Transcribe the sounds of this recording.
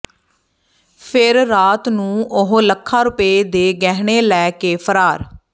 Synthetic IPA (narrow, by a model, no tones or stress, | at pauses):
pʰɪɾːaːt̪nũːʔʊɦləkʰːaːɾʊpeːd̪eːɡɛːɽeːlɛːkeːpʰəɾaːɾ